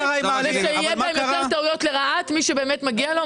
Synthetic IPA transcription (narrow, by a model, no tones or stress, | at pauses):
ʃeijɛbmaemaʁt̪aujo̞tleʁaatmiʃebe̞ːmetmaɡialo